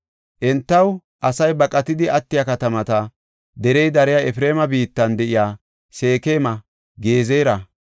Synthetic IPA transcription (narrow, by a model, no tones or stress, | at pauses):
ʔɛnt̪ːɐw | ʔɐsɐjbɐkʼɐt̪ɪd̪ɪʔɐt̪ːɪjɐkɐt̪ɐmɐt̪ɐ | d̪ɛɾɛjd̪ɐɾɛjaɛfɾe̞ːmɐbiːt̪ːɐnd̪ɛʔɪjaː | se̞ːke̞ːmɐ | ɡe̞ːzeːɾɐ